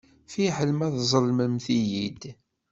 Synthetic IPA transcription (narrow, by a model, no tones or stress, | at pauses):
fiħəlmæðzˤəlməmθijid̪